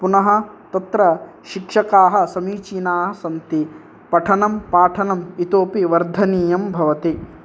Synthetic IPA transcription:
punɐɦɐ̆t̪ɐt̪ɾɐ | ʃikʂɐkaːɦɐ̆sɐmiːt͡ʃiːnaːɦɐ̆sɐnt̪i | pɐʈʰɐnɐmpaːʈʰɐnɐmit̪oːpiʋɐɾd̪ʱɐniːjɐmbʱɐʋɐt̪i

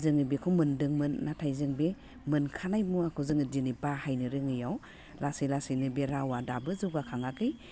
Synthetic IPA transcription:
zɯŋɯbekʰuwmɯndɯŋmɯnːatʰajzɯŋbe | mɯnkʰanajmuakʰɔzɯŋɯdinibahajnɯɾɯŋɯjaw | lasilasinɯbeɾawadabɯzuɡakʰaŋakɯj

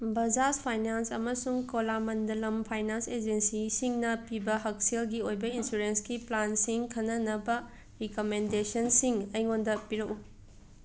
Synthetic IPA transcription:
bɐd͡ʒaspʰajnansɐmɐsuŋkolamɐndɐlɐmpʰajnansed͡ʒensisiŋnɐpibɐɦɐk̚selɡiojbɐinsuɾensɡiplansiŋkʰɐnːɐnɐbɐ | ɾikomendesɐnsiŋɐjŋondɐpiɾɐku

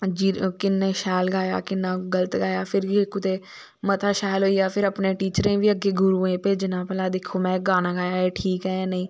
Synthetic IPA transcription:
d͡ʒikɪnːeːʃɛːlɡaːja̰ːkɪnːãːɡələt̪ɡaːjaːpʰɪɾikʊt̪eː | mət̪ʰaːʃaːloːijaːpʰɪɾəpnẽːʈiːt͡ʃɾẽːʋiːəɡeːɡʱʊɾuːẽːpeːd͡ʒɪnãːpɛlaːd̪eːkʰoːmɛ̃ːɡaːnãːɡaːjaːeːʈʰiːkɦɛːnəĩː

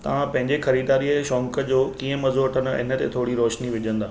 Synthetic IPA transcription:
t̪ɐʋ̤ãpɐ̃ɦɪɲd͡ʑexɐɾiːd̪aːɾiəʃɔ̃ːŋkəd͡ʑoːkiːə̃mɐzoʈʰənɪ̰nə̆t̪ḛt̪ʰoːɽiɾoːʃniʋɪd͡ʑʱə̃nd̪aː

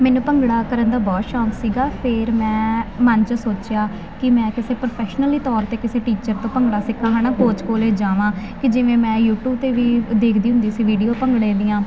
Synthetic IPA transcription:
mɛːnũːpəŋɡɽaːkəɾənd̪aːbɔːt̪ʃɔːksiːɡaːpʰɪɾmɛ̃ːmənt͡ʃəsoːt͡ʃjaː | kɪmɛ̃ːkɪseːpɾopʰɛːʃnəliːt̪ɔːɾt̪eːkɪseːʈiːt͡ʃəɾt̪õːpəŋɡɽaːsɪkʰːãːɦãːnaːpoːt͡ʃkoːleːd͡ʒaːʋãː | kɪd͡ʒɪʋẽːmɛ̃ːjuːʈuːb̚t̪eːʋiːd̪eːkʰd̪iːɦʊ̃nd̪iːsiːʋiːɖijoːpəŋɡɽẽːnd̪iːãː

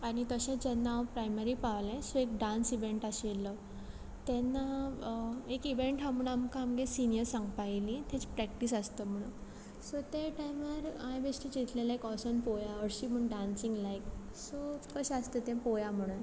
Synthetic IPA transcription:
aɽ̃it̪əɕẽd͡ʑɛnːaʋpɾajməɾiːpaʋlɛ̃soek̚ɖãnsiʋeɳʈaɕelə | t̪ɛnːa | ekiʋeɳʈɦãmuɽamkãːmɡesinijəɾsãŋɡpajlĩt̪ʰẽt͡spɾɛk̚ʈisəst̪əm̤əɽ̃un | sot̪eʈajməɾajʋesʈit͡ɕit̪lelaekɔsɔnpojaəɾɕiːm̤əɳɖansiŋɡlajk | sokəɕɛəst̪et̪ẽpojam̤əɽuːn

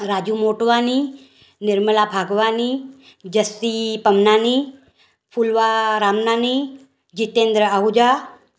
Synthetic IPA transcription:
ɾaːd͡ʒumoːʈʋaːni | nɪɾməlabʱaːɡʋaːni | d͡ʒəst̪ipəmnaːni | pʰulʋaɾaːmnaːni | d͡ʒit̪ẽːnd̪ɾəəɦud͡ʒaː

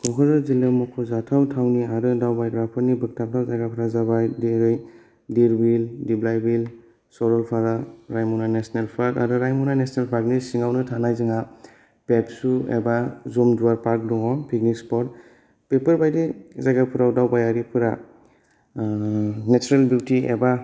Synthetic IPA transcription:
kʰɔŋkʰɔzɔzilemɔkʰɔzatʰawtʰawniaɾɯdawbajɡɾapʰɔɾnibɯk̚tʰap̚dʰawzaɡapʰɯɾazaβajdiɾɯj | diɾbildiblajbil | sɔɾɔlpʰaɾaɾajmɔnanesnelpʰaɾta̰ɾɯɾajmɔnanesnelpʰak̚nisiŋawnɯtʰanajzɯŋa | pepsuḛbazɔmduwaɾpaɾk̚dɔŋɔpʰik̚nikspɔɾt | pepɯɾbajdizaɡapʰɯɾawdawbajaɾipʰɯɾa | net͡ʃuɾelbjutiḛba

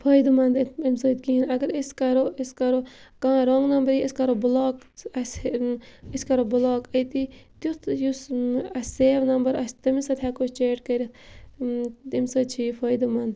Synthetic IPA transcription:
fʰɐːjd̪mɐnd̪imsoːt̪kiːnɐɡəɾiskɐɾoiskɐɾokãːɾoŋɡnɐmbɐɾiiskɐɾobuloːk | ɐs | iskɐɾobuloːkət̪it̪jut̪jusɐsʲeːʋnɐmbəɾɐst̪ɐmisɐt̪ʲʰaːkot͡ʃeːʈkɐɾit̪ | imsoːt͡ʃʰiːfʰɐːjd̪umɐnd̪

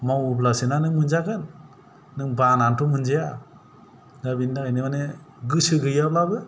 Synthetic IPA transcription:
mawublasɯnanɯŋmɯnzaɡɯnː | ɯŋbanantʰumɯnd͡ʒeja | dabindaɯjnemane | ɡɯsɯɡɯjablabɯ

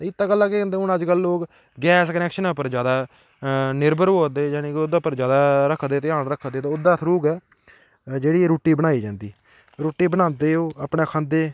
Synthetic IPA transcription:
t̪ːɪt̪ːãːkəlːãːkeə̃ːnd̪eːʊnəd͡ʒkəlːoːk | ɡɛːskənɛːkʃənapəɾd͡ʒjaːd̪aː | nɪɾbəɾɦoːd̪eːd͡ʒaːnẽːkʊd̪aːpəɾd͡ʒjaːd̪aːɾəkʰd̪eːt̪ɪaːnɾəkʰːd̪eːt̪aːʊd̪aːt̪ʰɾuːkɛː | d͡ʒeːɽiːɾoːʈːiːbəñaːiːd͡ʒãːnd̪iː | ɾoːʈːiːbənãːnd̪eːoːapɳeːkʰãːnd̪eː

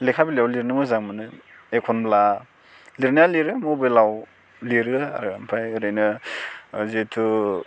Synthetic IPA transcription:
lekʰabiliawliɾnɯmɯzaŋmɯnɯ | ekʰɔnbla | liɾnijaliɾɯmɯbelaw | liɾɯa̰ɾɡampʰajɯɾɯjnɯ | zitʰu

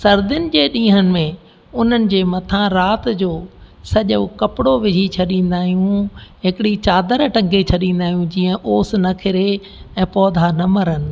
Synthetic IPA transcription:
sɐɾd̪ɪnɪ̆d͡ʑeːɗĩːɦənɪ̆mẽ | ʊn̤ənɪ̆d͡ʑeːmɐt̪ʰãɾaːt̪d͡ʑoːsɐʄokɐpɪɽoʋɪd͡ʑʱit͡ɕʰɐɗĩːn̆d̪aːɦijũɦɪkɪɽit͡ɕaːd̪əɾʈɐ̃ŋɡʱet͡ɕʰɐɗĩːnd̪aːɦijũd͡ʑiːə̃ʔoːs̆nɐkʰɪɾe | ɛ̃ːpɔːd̪ʱanɐməɾɦənɪ̆

